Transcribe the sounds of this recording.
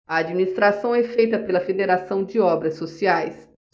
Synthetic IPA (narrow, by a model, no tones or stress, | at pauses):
ɐad͡ʒminist̪ɾasɐ̃w̃ɛfejt̪ɐpelɐfed̪eɾasɐ̃w̃d͡ʒɪɔbɾɐsosiajs